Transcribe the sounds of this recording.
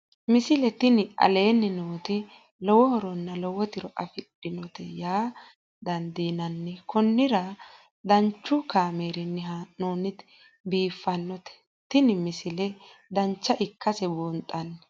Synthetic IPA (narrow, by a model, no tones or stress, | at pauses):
mɪsɪlɛt̪ɪnɪʔɐ̰le̞ːnːɪnoːt̪ɪ | lɔwɔhɔɾɔnːɐlɔwɔt̪ɪɾɔʔɐfɪɗːɪnɔt̪ɛjaː | d̪ɐnd̪iːnɐnːɛkɔnːɪɾɐ | d̪ɐnt͡ʃːʊkaːmeːɾɪnːɛɦanoːnɪd̪ | biːfːɐnːɔt̪ɛ̥ | t̪ɪnɪmɪsɪlɛd̪ɐnt͡ʃːɐʔɪkːɐsɛboːnt̪ʼɐnː